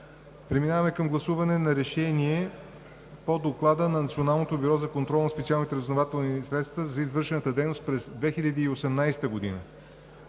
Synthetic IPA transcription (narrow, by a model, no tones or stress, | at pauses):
pɾɛminavəmɛkɐmɡlˠɐsuvɐnɛnɐɾɛʃɛniɛ | pod̪oklˠad̪ənɐnɐt̪sionalˠnot̪obyɾɔzɐkont̪ɾɔlˠnɐspɛt̪sialˠnit̪ɛɾəznovat̪ɛlˠnisɾɛt̪st̪vəzɐizvɤɾʃɛnət̪əd̪ɛjnost̪̚pɾɛzd̪vɛxiʎʲɐd̪iːosɛmnajst̪əɡod̪inə